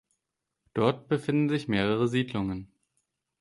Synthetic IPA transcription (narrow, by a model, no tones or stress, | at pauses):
d̥ɔɐtb̥əfɪndn̩zɪçmeːʁəʁəziːdlʊŋən